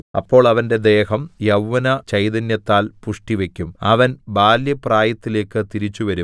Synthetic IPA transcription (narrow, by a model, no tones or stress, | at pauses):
ɐ̰pːo̞ːɭɐʋɐnde̞d̪e̞ːhɐmjɐwʋɐnɐt͡ɕɐjd̪ɐnjɐt̪ːaːlpuʂʈiʋe̞kʲːumɐʋɐnbaːljɐpraːjɐt̪ːile̞ːkːɨt̪iɾit͡ɕːuʋɐɾum